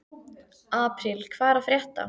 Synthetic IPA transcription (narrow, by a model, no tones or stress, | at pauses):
aːpɾɪlkʰvaːɾafɾjɛht̪a̰